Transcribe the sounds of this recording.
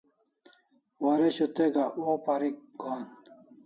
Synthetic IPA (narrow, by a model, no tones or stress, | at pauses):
wɐɾeɕut̪eɡaopaɾik̚ɡoːn